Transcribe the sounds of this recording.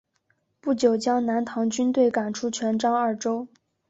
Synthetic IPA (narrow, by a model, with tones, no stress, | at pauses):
pu˥˩t͡ɕjo˨˩ʊt͡ɕjɑ˥ŋna˧˥nt̪ʰɑ˧˥ŋt͡ɕy˥nt̪we˥˩ɪka˨˩nʈ͡ʂʰu˥t͡ɕʰɥɛ˧˥nʈ͡ʂɑ˥ŋɐ˞˥˩ʈ͡ʂo˥ʊ